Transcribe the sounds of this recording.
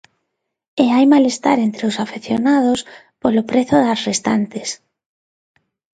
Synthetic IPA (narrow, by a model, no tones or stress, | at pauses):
eajmalest̪a̰ɾent̪ɾeosafeθjonað̞os | polopɾeθoðasrest̪a̰nt̪es